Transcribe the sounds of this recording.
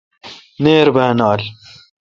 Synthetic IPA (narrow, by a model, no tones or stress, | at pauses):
neːɾbənaːl